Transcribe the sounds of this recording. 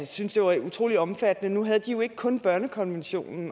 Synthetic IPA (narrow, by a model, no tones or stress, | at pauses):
synsd̥e̝ʋɑut͡sʰʁo̝̰ːliɒ̽mfæd̥ənənuɦæð̞ˠd̥ijo̝e̝ɡ̥kʰɔ̽nb̥ɶɐnəkʰɒ̽nʋenɕo̝̰ːnn̩